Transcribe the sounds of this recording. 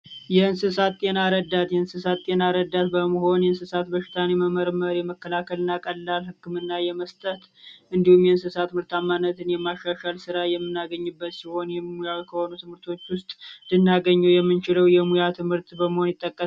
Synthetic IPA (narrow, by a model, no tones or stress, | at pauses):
jɛɨnsɨsat̪ːʼe̞naɾəd̪at̪jɛɨnsɨsat̪ːʼe̞naɾəd̪ːat̪bəməho̞njɛɨnsɨsat̪bəʃɪ̥t̪ʰaneməməɾməɾjɛməkːəlakʰəlɨnːakʼəlːalhɨkːɨmɨnːajɛməst̪ʼət̪ʔɨnd̪ihumjɛɨnsɨsat̪mɨɾt̪ʰamːanːət̪ʰɨnjɛmaʃaʃalsɨɾajɛmːɨnːaɡəɲːɨbːət̪siho̞njɛmujawkʰəho̞nut̪ʰɨmhɨɾt̪ʰo̞t͡ʃːwʊst̪ʼd̪ɨnːaɡəɲːuwjɛmːɨnt͡ʃɪləwjɛmujat̪ʰɨmhɨɾt̪bəməho̞njɪt̪ʼːəkʼːə